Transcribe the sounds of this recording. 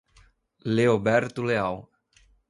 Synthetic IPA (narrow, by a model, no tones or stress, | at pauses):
leobɛɾt̪uleaw